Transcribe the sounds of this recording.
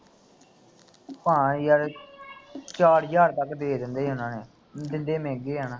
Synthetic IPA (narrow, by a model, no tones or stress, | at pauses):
pãːjəɾ | t͡ʃaːɽjaːɾt̪əkːd̪eːd̪ɪnd̪eːɦʊnãːneː | d̪ɪnd̪eːmẽːɡeːɦaːnãː